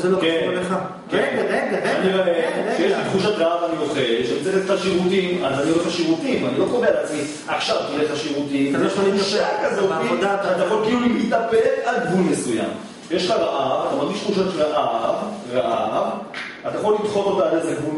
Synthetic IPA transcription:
zelokenleχa | keneaaniʁaʔeʃejeʃtχuʃat̪ʁaavanioχelʃmit͡seet̪taʃiʁutimazanioeχaʃiʁutimanilo̞kovealat͡smi | aχʃavt̪ileχaʃiʁutimeʃaʃakazoidat̪ajaχo̞lkiilulimit̪apelalɡvulmesuja̰m | ʃjeʃχaʁaʔavat̪amaʁɡiʃt̪χuʃat̪ʁaʔavʁaʔav | at̪ajaχo̞lːit̪χo̞to̞t̪alezeɡvul

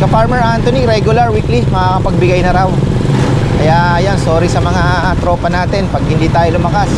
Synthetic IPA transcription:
kɐfaɹmɛɹʔant̪oniɾɛɡʊlɐɹwiklimɐŋakɐpɐɡ̚bɪɡajnɐɾaw | kɐjaːɐjanso̞ːɾisɐmɐŋa | t̪ɾo̞ːpɐnaːt̪ɛnpɐɡ̚hɪnd̪iːt̪aːjolʊmɐkas

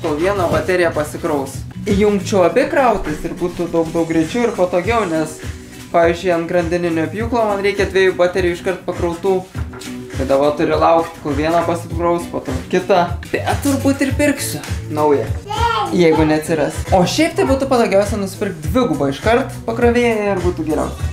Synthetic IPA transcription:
koːlˠʋʲiɛnoːbɐt̪ʲæɾʲɪjɛpɐsʲɪkɾɐʊsɪjʊŋkt͡ʃʲɛʊɐbʲɪkrɐʊt̪ʲɪsɪrbuːt̪ʊd̪ɐʊkd̪ɐʊk̚ɡɾʲɛɪt͡ʃʲɛʊɪrpɐt̪oːɡʲɛʊnʲɛs | pɑːʋʲiɪzʲd͡ʒʲʊɪɐnt̪ɡrɐnʲd̪ʲɪnʲɪnʲoːɐpʲjuːklˠoːmɐnɾʲɛɪkʲɛd̪ʲʋʲiɛjuːbɑːt̪ʲɛɾʲɛjʊɪʃkɐrt̪̚pɐkɾɐʊt̪uː | t̪ɐɪd̪ɐʋoːt̪ʊɾʲɪlˠɐʊkt̪kʊlˠʋʲiɛnɐpɐsʲɪrɐʊspoːt̪oːkʲɪt̪ɑbʲɛttt̪ːʊrbuːt̪ɪrpʲɪrksʲʊnɐʊjɛjɛɪɡʊnʲɛɐt̪ʲsʲɪɾɐsoːʃʲɛɪpt̪ɐɪbuːt̪ʊpɐd̪ɐːɡʲɛʊsʲɛnʊsʲɪ̥pʲɪrk̚t̪̚d̪ʲʋʲɪɡʊbɐɪʃkɐrt̪pɐkɾoːʋʲeːɪɪrbuːt̪ʊɡʲɛɾʲɛ̰ʊs

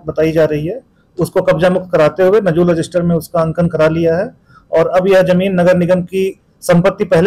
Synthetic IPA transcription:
bɐt̪aːid͡ʒaːɾɐɦiɦɛ | ʊskokɐbd͡ʒamʊk̚t̪̚kɐɾaːt̪eɦʊwenɐd͡ʒuːlɾɐd͡ʒɪsʈəɾmẽʊskaɐ̃ŋkənkɐɾalijaɦɛ | ɔːɾɐbjɐɦd͡ʒɐmiːnːɐɡəɾnɪɡəmki | sɐ̃mpət̪ːipɛɦl

